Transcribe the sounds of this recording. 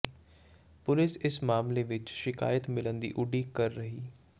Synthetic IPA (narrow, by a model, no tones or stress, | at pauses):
pʊlɪsɪsmaːmleːʋɪt͡ʃʃɪka̰ːjət̪mɪlənd̪ḭːʔʊɖiːkəɾːəɦiː